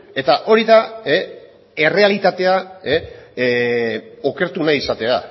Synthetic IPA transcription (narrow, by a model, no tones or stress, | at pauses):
e̞t̪aʔo̞ɾiðae | e̞re̞alit̪at̪e̞ae | o̞ke̞ɾt̪unajisat̪e̞a̰